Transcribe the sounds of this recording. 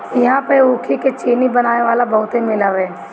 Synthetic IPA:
jɐɦãpəɾuːkʰiket͡ʃiːnibɐnaːneʋaːlabɐɦʊt̪ẽmɪlaʋɦɛː

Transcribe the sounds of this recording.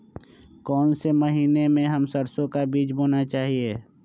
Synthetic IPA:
kɔːnseməɦiːnemẽɦɐmsəɾsõkabiːt͡ʃboːnat͡ʃaːɦieː

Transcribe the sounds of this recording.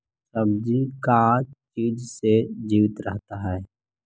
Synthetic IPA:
səbd͡ʒikat͡ʃiːd͡ʒsed͡ʒiːʋɪt̪ɾəɦt̪aɦɛː

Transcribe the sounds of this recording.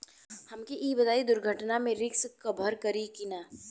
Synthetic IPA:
hɐmkiʔiːbɐd̪aːid̪ʊɾɡʱəʈnamẽɾɪkskɐbʱəɾkɐɾikɪnaː

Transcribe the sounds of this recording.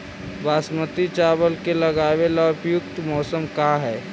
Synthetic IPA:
baːsmət̪it͡ʃaːbəlkelɐɡaːʋelaʊpjʊkt̪mɔːsəmkaːɦɛː

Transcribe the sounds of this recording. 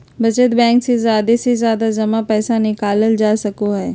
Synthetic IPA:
bɐt͡ʃət̪bɛ̃ːŋksezjaːd̪esezjaːd̪ad͡ʒɐmapɛːsanɪkaːləld͡ʒaːsɐkoɦɛː

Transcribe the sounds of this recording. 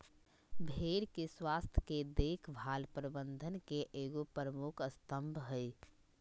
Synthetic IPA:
bʱeɾkeswaːst̪ʰjked̪ekʰbʱaːlpɾəbənd̪ʱənkeʔeːɡopɾəmukʰəst̪əmbʱɦəj

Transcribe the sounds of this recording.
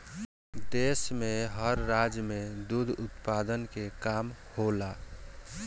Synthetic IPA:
d̪esmeɦəɾːad͡ʒmed̪ud̪ʱʊt̪pad̪ənkekaːmhola

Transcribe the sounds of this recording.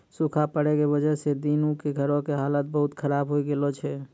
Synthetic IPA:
sukʰapəɽɛkebəd͡ʒəɦsed̪inukeɡʱəɾõkeɦalət̪̚bəɦut̪kʰəɾabɦoiɡelɔt͡ʃʰɛ

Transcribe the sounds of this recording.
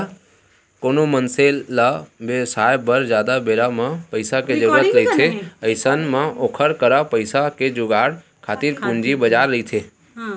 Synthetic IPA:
konomənselːabesajbəɾd͡ʒjaːd̪abeɾamãpəɪsaked͡ʒəɾuɾət̪ɾəɦit̪ʰeəɪsənmãoːkʰəɾkəɾapəɪsaked͡ʒʊɡaɽ | kʰaːt̪iɾkũɲd͡ʒibəd͡ʒaɾːəɦit̪ʰe

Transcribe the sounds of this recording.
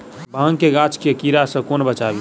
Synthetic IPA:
bʱãŋkeɡat͡ʃʰkekiɾasə̃konbət͡ʃabi

